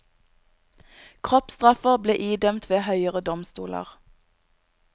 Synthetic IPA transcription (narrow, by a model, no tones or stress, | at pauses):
kʰʁɔpst̪ʁɑfəʁblḛːʔiːd̪œmt̪ʰʋeːhœʏəʁəd̪ɔmst̪ṵːlə̰ʁ